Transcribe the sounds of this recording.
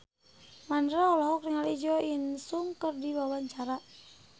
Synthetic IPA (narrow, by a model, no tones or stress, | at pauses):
mandɾaɔlɔɦɔkriŋalid͡ʒɔjənsuŋkərdiwawaɲt͡ʃaɾa